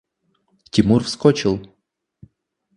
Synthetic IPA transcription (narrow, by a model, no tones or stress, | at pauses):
tʲɪmurfskɔt͡ɕɪlˠ